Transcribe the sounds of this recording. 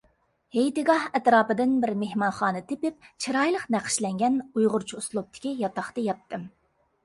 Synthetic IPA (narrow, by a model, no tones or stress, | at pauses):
hejt̪ɪɡɑhɛt̪ɾɑːpɨd̪ɪnbɪɾmehmɑnχɑːnɨt̪ʰepɪp̚t͡ʃʰiɾɑjlˠəqnæqʰɪ̥ʃlɛŋɡʲɛnujʁʊɾt͡ʃʰuuslˠup̚t̪ʰɪ̥kʲijɑt̪ɑχt̪ɨjɑt̪ːɨm